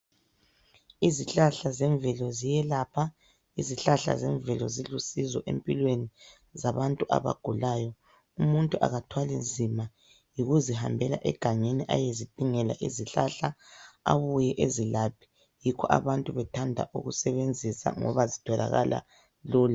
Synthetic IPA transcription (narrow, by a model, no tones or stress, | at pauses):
iziɬaɬazɛɱvɛlɔzijɛlaːpʰa | iziɬaɬa̰zɛɱvɛlɔzilusizɔʔḛmpʼilweni | zaβantʼuʔa̰βa̰ɡ̥ʱulajɔ | umuntʼuʔa̰ɣatʰwalind͡zʱima | jiɣuziɦa̰mbʱɛla̰ʔɛɡ̥ʱaŋeniʔa̰jezid̥ʱiŋɛla̰ʔiziɬaɬaaβujɛʔezilapʰi̥ | jikʰɔʔa̰βantʼuβɛtʰandʱa̰ʔṵɣṵsɛβend͡zʱisa̰ŋɔ̰βazitʰɔla̰ɣa̰lʔa̰ | luːla